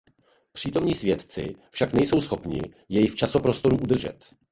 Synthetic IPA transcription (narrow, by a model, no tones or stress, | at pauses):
pr̝̥iːt̪o̞mɲiːsvjɛt̪t͡sɪ̰fʃaknɛjso̞wsxo̞pɲɪ̰ | jɛjɪft͡ʃasopɾo̞st̪o̞ɾuʔud̪r̩ʒɛ̰t̪